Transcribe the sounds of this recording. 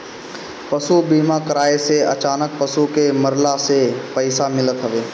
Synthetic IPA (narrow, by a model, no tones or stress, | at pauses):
pɐsubiːmakəɾaːeseɐ̰t͡ʃaːnək̚pəsukeməɾlasepəɪsamɪlət̪ɦəʋeː